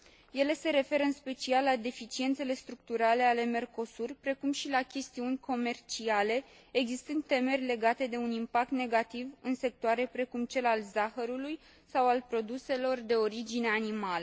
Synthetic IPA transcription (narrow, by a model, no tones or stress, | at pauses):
je̞le̞se̞ɾe̞fe̞ɾəɨnspe̞t͡ʃialːad̪e̞fit͡ʃient̪se̞le̞st̪ɾuk̚t̪uɾale̞ale̞me̞rko̞surpɾe̞kumʃilakʲe̞st̪iunʲkʰo̞me̞rt͡ʃiale̞ː | ɡzist̪ɨnd̪t̪ːe̞me̞rʲle̞ɡat̪e̞d̪e̞unimpak̚t̪ne̞ɡat̪ivɨnse̞k̚t̪oaɾe̞pɾe̞kumt͡ʃe̞lalzaxəɾuluj | sawalpɾo̞d̪use̞lo̞rd̪e̞o̞ɾid͡ʒine̞animalə